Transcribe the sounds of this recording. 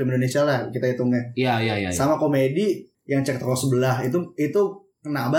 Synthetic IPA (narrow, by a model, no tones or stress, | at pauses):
limindonesialahkit̪ait̪uŋɲajajajasamakomedi | jaŋt͡ʃɛk̚t̪əkɔsəbəlaɦit̪uit̪u | kənaba